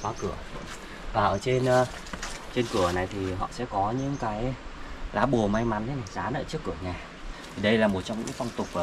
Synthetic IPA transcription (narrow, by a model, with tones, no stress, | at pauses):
kwaː˨˦kɨ˧˩ə | vaː˨˩ʔəː˧˩t͡ɕe˧nʔə˧ | t͡ɕe˧nkɨ˧˩əna˨˩jt̪ʰi˨˩ɦɔ̰˧˨sɛ̰˧˥kɔ˨˦ɲɨ̰˧˥ŋkaː˨˦jlaː˨˦ɓo˨˩əma˧jma˨˦nt̪ʰe˨˦na˨˩jzaː˨˦nʔə̰ː˧˩t͡ɕɨ˦˥əkːu˧˩əɲaː˨˩ | t̪ʰi˨˩ɗə˧jlaː˨˩mo˨˩t̚t͡ɕɔ˧wŋ͡mɲɨ̰˧˥ŋfa˧wŋ͡mt̪ʊ˨˩k͡p̚ʔ